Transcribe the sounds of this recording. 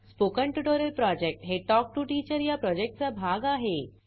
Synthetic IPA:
spokəɳʈuʈoɾəlpɾɔd͡ʑek̚ʈɦeʈɔk̚ʈuʈiːt͡ɕəɾjapɾɔd͡ʑek̚ʈ̚t͡sabʱaɡaɦe

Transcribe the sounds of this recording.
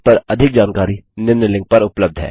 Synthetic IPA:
pɐɾɐd̪ʱɪk̚d͡ʒaːnkaːɾinɪɾnəlɪ̃ŋɡ̚pɐɾʊpləb̚d̪ʱɦɛ̰ː

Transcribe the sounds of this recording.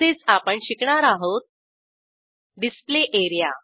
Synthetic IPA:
et͡sapəɳɕikɳaɾaɦot̪̚ | ɖispleʔeɾija

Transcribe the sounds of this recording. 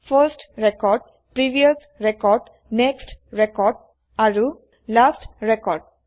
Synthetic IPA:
fəɾsʈɾekɔɾɖ̚ | pɾiʋiəs | ɾekɔɾɖ | neksʈɾekɔɾɖ̚ | aɾu | lasʈɾekɔɾɖ̚

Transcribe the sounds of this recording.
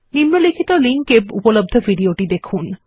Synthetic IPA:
nimnolikʰit̪oliŋkebṵpolob̚d̪ʱofiɖioʈid̪ekʰun

